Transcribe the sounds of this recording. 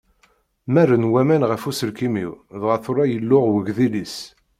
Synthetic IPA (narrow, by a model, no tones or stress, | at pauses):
mærːənwæmænʁəfusəlkimiwðʁəθʊɾˤɑjəlːʊʁwəɡðilis